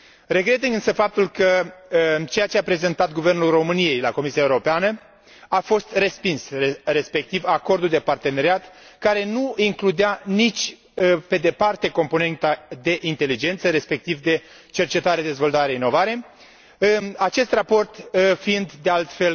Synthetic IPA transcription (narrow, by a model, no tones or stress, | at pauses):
re̞ɡɾe̞t̪iŋɡɨnsəfap̚t̪ulkə | t͡ʃe̞jat͡ʃe̞apɾe̞ze̞nt̪at̪̚ɡuve̞rnulro̞mɨnije̞jlako̞misiae̞uɾopeanə | afo̞st̪re̞spinsere̞spe̞k̚t̪ivako̞rd̪uld̪e̞part̪e̞ne̞ɾiat̪kaɾe̞nuiŋklud̪eanit͡ʃʲ | pe̞d̪e̞part̪e̞ko̞mpo̞ne̞nt̪ad̪e̞ʔint̪e̞lid͡ʒe̞nt̪səɾe̞spe̞k̚t̪ivd̪e̞ | t͡ʃe̞rt͡ʃe̞t̪aɾed̪e̞zvo̞lt̪aɾeino̞vaɾe̞ | at͡ʃe̞st̪rapo̞rt̪fiind̪d̪e̞alt̪fe̞l